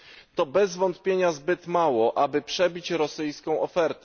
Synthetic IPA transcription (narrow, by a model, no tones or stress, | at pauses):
t̪ɔbɛzvɔnt̪pʲjeɲazbɘt̪mawɔʔabɘpʂɛbʲit͡ɕɾɔsɘjskɔ̃w̃ɔfɛɾt̪